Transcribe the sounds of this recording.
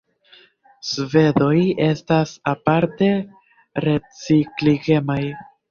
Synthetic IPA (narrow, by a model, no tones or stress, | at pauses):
sve̞do̞je̞stasapaɾte̞ | ɾe̞t͡sikliɡe̞maj